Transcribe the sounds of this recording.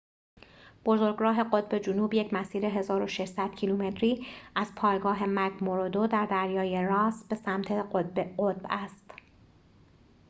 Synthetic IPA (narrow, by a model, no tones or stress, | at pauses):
b̥o̞zo̞ɾɡɾɒːɦe̞ɢo̞t̪̚be̞d͡ʒonuːbjecʰmæsiːɾe̞ɦe̞zɒːɾo̞ʃeʃsæd̪̥̚cʰiluːme̞t̪ʰɾiːæz̥pʰɒːjɡɒːɦe̞mækmoɾod̪od̪æɾd̪æɾjɒːjeɾɒːsbe̞sæmt̪ʰe̞obɢot̪̚bæst̪